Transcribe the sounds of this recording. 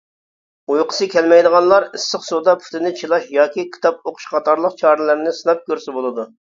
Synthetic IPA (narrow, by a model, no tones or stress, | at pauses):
ujqʰə̥sɨkʲɛlmɛjd̪əʁɑnlˠɑɾɪsːəqsod̪ɑpʰy̥t̪ʰɪnɪt͡ʃʰilˠɑʃjɑːkʲikʲʰi̥t̪ɑp̚oqʰʊ̥ʃqɑt̪ʰɑɾlˠəqt͡ʃʰɑːɾɨlˠɨɾnɪsɨnɑp̚kʲøɾsɪbolˠɨd̪u